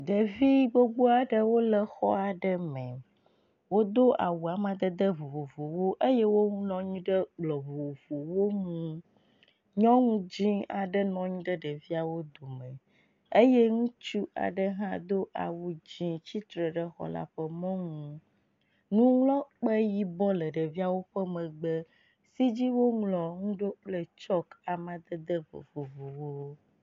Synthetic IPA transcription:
ɖ̪ə˨vi˦bo˦ɡ͡bo˦a˨ɖə˦wo˦lə˨xɔ̰˦a˨ɖə˦mɛ̃˨ | wo˦d̪o˦ʔa̰˨wu˨a˨mã˨d̪ə˦d̪ə˦vo˨vo˨vo˨wo˦ʔe˦jɛ˦wo˦ŋũ˦nɔ̃˦ɲũ˦ɖə˦ɡ͡blɔ˨vo˨o˨vo˨wo˦ŋũ˦ | ɲɔ̃˦ŋũ˦d͡ʑĩ˦a̰˨ɖə˦nɔ̃˨ɲũ˦ɖə˦ɖə˨vi˦a˨wo˦d̪o˨mə̃˨ | e˦jɛ˦ŋũ˦t͡ʃu˦ʔa̰˨ɖə˦ɦã˦d̪o˦ʔa̰˨wu˦d͡ʑĩ˦t͡ɕi˦t̪ɾə˨ɖə˦xɔ̰˨la̰˨ɸə˦mɔ̃˦ŋũ˨ | nũ˦ŋlɔ̃˦k͡pɛ˦ji˦bɔ˦lə˨ɖə˨vi˦a˨wo˦ɸɛ˦mɛ̃˨ɡ͡bə˦ | si˦d͡ʑi˦wo˦ŋlɔ˨ŋũ˦ɖo˦k͡plə˦t͡ʃɔ˦ka˨mã˨d̪ə˦d̪ə˦vo̰˨vo˨vo˨wo˨˦

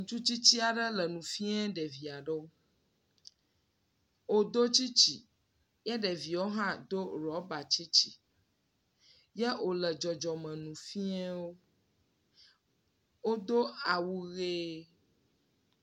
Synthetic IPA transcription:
ŋũ˨t͡ʃu˦t͡ɕi˦t͡ɕi˦a˨ɖə˦lə˨nũ˨fi˦ɛ˦ɖɛ˨vi˨a˨ɖə˦o˦ | wo˦d̪o˦t͡ɕi˦t͡ɕi˨ | jɛ˦ɖɛ˨vi˨wo˦ɦã˦d̪o˦ɾɔ˨˦ba˨t͡ɕi˦t͡ɕi˨ | jɛ˦o˨lə˨d͡ʒɔ˨d͡ʒɔ˨mɛ̃˨nũ˨fi˦ɛ˦wo˦ | wo˦d̪o˦a˨wu˦ɣe˦

